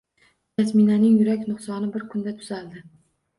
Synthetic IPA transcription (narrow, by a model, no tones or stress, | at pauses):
k̪asminanɪŋjʊɾakʲnʊχsɒnɪbɪɾkʰʊnd̪at̪ʰʊ̥z̥ald̪ɪ